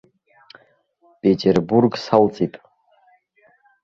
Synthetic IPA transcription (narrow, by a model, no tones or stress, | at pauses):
pʼetʰʼerburɡsalt͡sʼitʼ